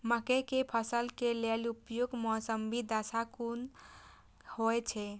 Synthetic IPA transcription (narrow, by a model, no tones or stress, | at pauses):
məkekepʰəsəlkelelupjoɡmɔsəmbʱid̪asakun | hojt͡ʃʰɛ